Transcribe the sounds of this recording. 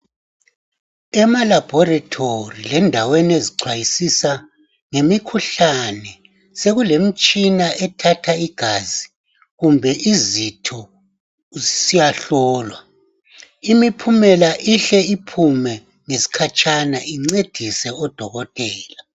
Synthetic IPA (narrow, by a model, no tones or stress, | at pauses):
ɛmalab̥ʱɔratʰorilɛndʱaweneziǀʰwajisisa | ŋemikʰuɬanɛ | seɣulem̩t͡ʃʼinaʔɛtʰatʰaiɡ̥ʱazi | ɣumbʱɛʔizitʰɔ | zisijaɬɔːlwa | imipʰumɛlaʔiɬɛipʰumɛ | ŋesi̥kʰat͡ʃʼanaiŋ͡ǀed̥ʱisɛɔd̥ʱɔɣɔtʼɛːla